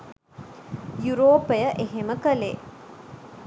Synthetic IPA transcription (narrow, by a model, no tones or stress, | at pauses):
juɾoːpejəʔeɦeməkəle